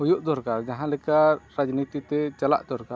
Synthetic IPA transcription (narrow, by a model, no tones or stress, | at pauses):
ɦujuʔd̪ɔɾkaɾd͡ʒaɦãlɛkaɾad͡ʒnit̪it̪ɛt͡ʃala̰ʔd̪ɔɾkaɾ